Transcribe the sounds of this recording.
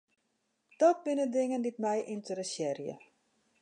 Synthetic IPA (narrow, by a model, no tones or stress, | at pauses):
d̥ɔt̚bɪnədɪŋənditmɛjʔɪntəɾəsɛrjə̰